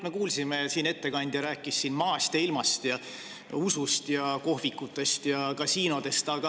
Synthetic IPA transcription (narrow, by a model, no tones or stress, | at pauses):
me̞kuːlsimesiːne̞t̪ːe̞kɑnʲd̪̥jɑɾæːkːˑisːiːnmɑːst̪eilmɑst̪jɑ | usust̪jɑko̞ɦvikːˑut̪ːˑe̞st̪jɑkɑsiːno̞d̪̥e̞st̪ɑɡ̥ɑ